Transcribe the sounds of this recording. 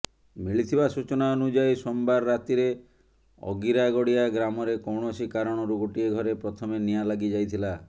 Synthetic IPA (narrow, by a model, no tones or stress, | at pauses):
miɭit̪ʰibasut͡ʃɔnaonud͡ʒajsɔmbaɾːat̪iɾe | ɔ̰ɡiɾaɡɔɽijaɡɾamɔɾekowɳɔsikaɾɔɽ̃ɔɾuɡoʈieɡʱɔɾepɾɔt̪ʰɔmenijalaɡid͡ʒajt̪ʰila